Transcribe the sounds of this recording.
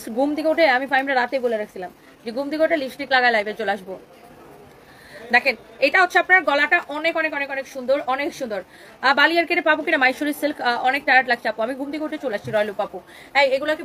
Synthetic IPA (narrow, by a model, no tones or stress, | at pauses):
sɡumd̪ikoʈeamifajmɾaɾat̪eboleɾakʰe̥t͡ɕʰilam | d͡ʑeɡumd̪iɡoʈelisʈiklaɡaelajbet͡ɕoleaʃbo | d̪ɛkʰen | eʈaɦot̪ːʃʰeapnaɾɡɔlaʈaʔɔnekɔnekɔnekɔnekʃund̪oɾɔnekʃund̪oɾ | balijaɾkeɾepabokinamajʃoɾiɾsilkʰɔnek̚ɖajaʈlak̚ʰt͡ɕʰeapoamiɡumd̪ikoʈet͡ɕoleaʃt͡ɕʰiɾɔelupapu | ɛjeɡuloɛke